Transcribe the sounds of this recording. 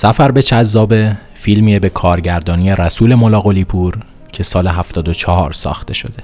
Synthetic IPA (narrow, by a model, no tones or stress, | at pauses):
sæfæɾbe̞t͡ʃʰæzːɒːbe̞ | fiːlmiebe̞kʰɒːɾɟæɾd̪ɒːniːje̞ɾæsuːle̞molɒːɣo̞liːpʰuːɾ | cʰe̞sɒːle̞ɦæft̪ɒːd̪ot͡ʃʰɒɦɒːɾsɒ̰ːxt̪e̞ʃo̞̰d̪e̞